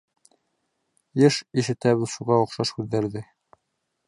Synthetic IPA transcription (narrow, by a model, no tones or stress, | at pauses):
jɘʃiʃɘ̆t̪æβɘðʃuʁɑŏχʃɑʃhʉðːæɾðɘ